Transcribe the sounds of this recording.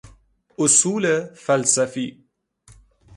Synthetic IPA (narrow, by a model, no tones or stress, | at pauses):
ʔʊsuːlfalsafi